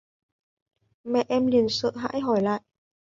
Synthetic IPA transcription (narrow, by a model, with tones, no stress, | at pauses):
mɛ˨˩ʔɛː˧mli˨˩ənsə̰ː˧˨ɦa̰ː˧˥jɦɔː˨˩jla̰ː˧˨j